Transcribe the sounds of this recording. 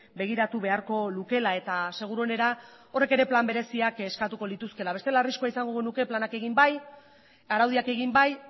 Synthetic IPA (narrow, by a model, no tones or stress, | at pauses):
be̞ɣ̞iɾat̪uβe̞aɾko̞luke̞lae̞t̪ase̞ɣ̞uɾuo̞ne̞ɾao̞re̞ke̞ɾe̞plambe̞ɾe̞siake̞skat̪uko̞lit̪uske̞laβe̞t̪e̞laːriskoaisaŋɡo̞ɣenuke̞planake̞ɣimbaj | aɾawðiake̞ɣimbaj